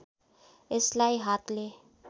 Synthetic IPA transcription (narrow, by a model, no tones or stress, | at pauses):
ɪslajɦat̪le